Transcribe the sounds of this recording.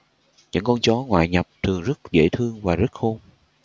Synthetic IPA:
ɲɨ̰˧˥ŋkɔ˧nt͡ɕɔ˨˦ŋwa̰ː˧˨jɲə˨˩p̚t̪ɨ˨˩əŋzə˦˥t̚zḛ˧˥t̪ʰɨ˧əŋvaː˨˩zə˦˥t̚xo˧m

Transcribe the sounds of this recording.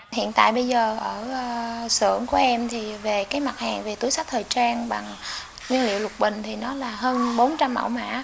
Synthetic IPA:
hḭ˧˨ənt̪a̰ː˧˨jɓə˧jzəː˨˩ʔəː˧˩˧sɨ̰˧˩əŋku˧˩əʔɛ˧mt̪ʰi˨˩ve˨˩kaː˨˦jma˨˩t̚haː˨˩ŋve˨˩t̪u˨˦jsa˦˥k̚t̪ʰəː˨˩jt͡ɕaː˧nɓa˨˩ŋ | wi˧ənlḭ˧˨wlʊ˨˩t̚ɓï˨˩ŋ̟t̪ʰi˨˩nɔ˨˦laː˨˩ɦəː˧nɓo˨˦nt͡ɕa˧mːa̰˧˩wma̰ː˧˥

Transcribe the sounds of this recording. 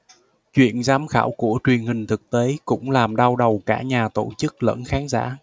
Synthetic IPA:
t͡ɕwḭ˧˨ənzaː˨˦mxaː˧˩wku˧˩ət͡ɕwi˨˩ənhï˨˩ŋ̟t̪ʰɨ˨˩k̚t̪e˨˦kʊ̰˧˥ŋ͡mlaː˨˩mɗa˧wɗə˨˩wkaː˧˩ɲaː˨˩t̪o˧˩t͡ɕɨ˦˥k̚lə̰˧˥˨nxaː˨˦nza̰ː˧˥˩

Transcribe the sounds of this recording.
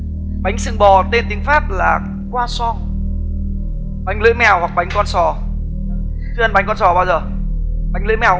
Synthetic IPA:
ɓa˨˦jŋ̟sɨ˧˩ŋɓɔ˨˩t̪e˧nt̪ï˨˦ŋ̟faː˦˥p̚laː˨˩ | kwaː˧sɔ˧ŋ | ɓa˨˦jŋ̟lɨ̰˧˥jmɛ˨˩whwa˨˩k̚ɓa˨˦jŋ̟kɔ˧nsɔ˨˩ | t͡ɕɨ˧ʔə˧nɓa˨˦jŋkɔ˧nsɔ˨˩ɓaː˧wzəː˨˩ | ɓa˨˦jŋ̟lɨ̰˧˥jmɛ˨˩

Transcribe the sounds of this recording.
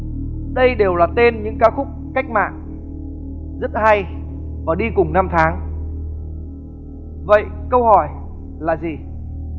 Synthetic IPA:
ɗə˧jɗe˨˩wlaː˨˩t̪e˧nɲɨ̰˧˥ŋkaː˨˦xʊ˦˥k͡p̚ka˦˥jk̟̚ma̰ː˧˨n | zə˦˥t̚ha˧j | vaː˨˩ɗi˧kʊ˨˩ŋ͡mna˧mt̪ʰaː˨˦ŋ | və̰˧˨jkə˧whɔ˧˩j | laː˨˩zi˨˩

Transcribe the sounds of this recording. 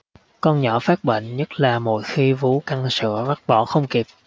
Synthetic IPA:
kɔ˧nɲɔ˧˩˦faː˦˥k̚ɓḛ˧˨jŋ̟ɲə˦˥t̚laː˨˩mo̰˧˨˩jxi˧vu˨˦ka˧ŋsɨ̰˧˨əɓa˦˥t̚ɓɔ˧˩xə˧wŋ͡mki˨˩p̚

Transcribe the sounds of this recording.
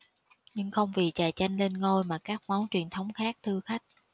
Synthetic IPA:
ɲɨ˧ŋxə˧wŋ͡mvi˨˩t͡ɕaː˨˩jt͡ɕa˧jŋ̟le˧nŋo˧jmaː˨˩kaː˦˥k̚mɔ˨˦wnt͡ɕwi˨˩ənt̪ʰə˨˦wŋ͡mxaː˦˥k̚t̪ʰɨ˧xa˦˥jk̟̚

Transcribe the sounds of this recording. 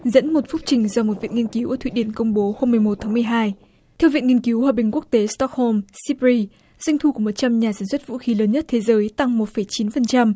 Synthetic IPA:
zə̰˧˥nmo˨˩t̚fʊ˦˥p̚t͡ɕï˨˩ŋ̟zɔ˧mo˨˩t̚vḭ˧˨əŋi˧ənki˨˦wʔəː˧˩t̪ʰwḭ˧˨ɗi˧˩ənkə˧wŋ͡mɓo˨˦ho˧mːɨ˨˩əjmo˨˩t̚t̪ʰaː˨˦ŋmɨ˨˩əjɦaː˧j | t̪ʰɛ˧wvḭ˧˨nŋi˧ənki˨˦whwaː˨˩ɓï˨˩ŋ̟ku˦˥ək̚t̪e˨˦st̪ɔ˦˥k̚ho˧msi˦˥pɹi˧ | za˧jŋ̟t̪ʰu˧ku˧˩mo˨˩t̚t͡ɕa˧mɲaː˨˩saː˧˩nswə˦˥t̚vṵ˧˥xi˨˦ləː˨˦nɲə˦˥t̚t̪ʰe˨˦zəː˨˦jt̪a˧ŋmo˨˩t̚fə˧˩jt͡ɕi˨˦nfə˨˩nt͡ɕa˧m

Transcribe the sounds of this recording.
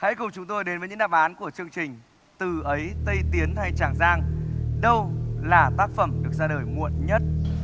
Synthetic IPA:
ha̰˧˥jkʊ˨˩ŋ͡mt͡ɕʊ˨˦ŋ͡mt̪o˧jɗe˨˦nvəː˨˦ɲɨ̰˧˥ɗaː˧˨˩mʔaː˨˦nku˧˩ət͡ɕɨ˧əŋt͡ɕï˨˩ŋ̟ | t̪ɨ˨˩ʔə˨˦jt̪ə˧jt̪i˨˦ənha˧jt͡ɕaː˧˩ŋzaː˧ŋɗə˧wlaː˨˩t̪aː˦˥k̚fə˨˩mɗɨ˨˩ək̚zaː˧ɗəː˧˩jŋṵ˧˨ənɲə˦˥t̚

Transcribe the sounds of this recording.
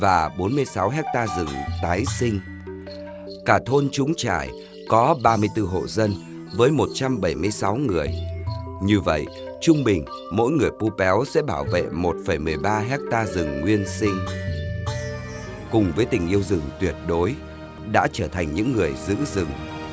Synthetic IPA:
vaː˨˩ɓo˨˦nmɨ˧əjsa˨˦wɦɛ˦˥k̚t̪aː˧zɨ˨˩ŋt̪aː˨˦jsï˧ŋ̟ | kaː˧˩t̪ʰo˧nt͡ɕʊ˨˦ŋ͡mt͡ɕa̰ː˧˩j | kɔ˨˦ɓaː˧mɨ˧əjt̪ɨ˧ɦo̰˧˨zə˧n | vəː˨˦jmo˨˩t̚t͡ɕa˧mɓə˧˩jmɨ˧əjsa˨˦wŋɨ˨˩əjɲɨ˧və̰˧˨jʔ | t͡ɕʊ˧ŋ͡mɓï˨˩ŋ̟ | mo̰˧˥jŋɨ˨˩əjpu˧pɛ˨˦wsɛ̰˧˥ɓaː˧˩wvḛ˧˨mo˨˩t̚fə˧˩jmɨ˨˩əjɓaː˧ɦɛ˦˥k̚t̪aː˧zɨ˨˩ŋːwi˧ənsi˧ŋ̟ | kʊ˨˩ŋ͡mvəː˨˦jt̪ï˨˩ŋ̟ʔi˧əwzɨ˨˩ŋt̪wi˨˩ət̚ɗo˨˦j | ɗa̰ː˧˥t͡ɕəː˧˩t̪ʰa˨˩jŋ̟ɲɨ̰˧˥ŋːɨ˨˩əjzɨ̰˧˥zɨ˨˩ŋ

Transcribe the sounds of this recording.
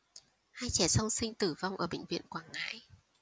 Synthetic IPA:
haː˧jt͡ɕɛ˧˩sa˧wŋ͡msï˧ŋ̟t̪ɨ˧˩va˧wŋ͡mʔəː˧˩ɓḛ̈˧˨ŋ̟vḭ˧˨ənkwaː˧˩nŋa̰ː˧˥j

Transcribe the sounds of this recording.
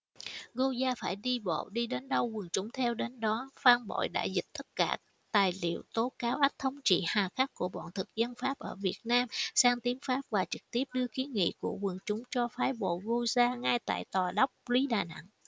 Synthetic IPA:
ɣo˧zaː˧faː˧˩jɗi˧ɓo̰˧˨ɗi˧ɗe˨˦nɗə˧wɣɨ˨˩əŋt͡ɕʊ˨˦ŋ͡mt̪ʰɛ˧wɗe˨˦nɗɔ˨˦faː˧ŋɓo̰˧˨jɗa̰ː˧˩jzï˨˩k̚t̪ʰːə˦˥t̚ka̰ː˧˩ | t̪aː˨˩jlḭ˧˨əwt̪o˨˦kaː˨˦wʔa˦˥k̚t̪ʰə˧wŋ͡mt͡ɕḭ˧˨haː˨˩xa˦˥k̚kːu˧˩əɓɔ̰˧˨nt̪ʰɨ˨˩k̚zə˧nfaː˦˥p̚ʔəː˧˩vi˨˩ət̚naː˧msaː˧ŋt̪i˨˦ənfaː˦˥p̚vaː˨˩t͡ɕɨ˨˩k̚t̪i˦˥əp̚ɗɨ˧əki˨˦ŋḭ˧˨ku˧˩əwɨ˨˩əŋt͡ɕʊ˨˦ŋ͡mt͡ɕɔ˧faː˨˦jɓo̰˧˨ɣo˧zaː˧ŋa˧jt̪a̰ː˧˨jt̪waː˨˩ɗa˦˥wk͡p̚li˨˦ɗaː˨˩na̰˧˨ŋ

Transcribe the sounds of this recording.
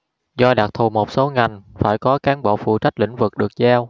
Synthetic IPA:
zɔ˧ɗaː˨˩t̚t̪ʰu˨˩mo˨˩t̚so˨˦ŋa˨˩jŋ̟faː˧˩jkɔ˨˦kaː˨˦nɓo̰˧˨fṵ˧˩t͡ɕa˦˥jk̚lḭ˧˩ŋ̟vɨ˨˩k̚ɗɨ˨˩ək̚zaː˧w

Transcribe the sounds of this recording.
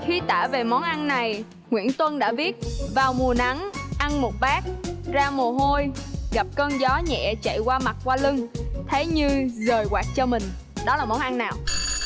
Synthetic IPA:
xi˧t̪a̰ː˧˩ve˨˩mɔ˨˦nʔa˧nːa˨˩j | ŋwḭ˧˥ənt̪wə˧nɗa̰ː˧˥vi˦˥ət̚vaː˨˩wmu˨˩əna˨˦ŋʔa˧nmo˨˩t̚ɓaː˦˥k̚zaː˧mo˨˩əɦo˧jɣa˨˩p̚kɔː˧nzɔ˨˦ɲɛ̰˧˨t͡ɕa̰˧˨jkwaː˧ma˨˩t̚kwaː˧lɨ˧ŋt̪ʰe˨˦jɲɨ˧zəː˨˩jkwaː˨˩t̚t͡ɕɔ˧mï˨˩ŋ̟ | ɗɔ˨˦laː˨˩mɔ˨˦nʔa˧nnaː˨˩w

